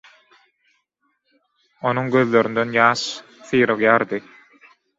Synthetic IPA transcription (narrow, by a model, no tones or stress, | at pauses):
o̞nuŋɡøðlø̞ɾynd̪ønjɑːʃ | θɯːɾɯɣjɑːɾd̪ɯ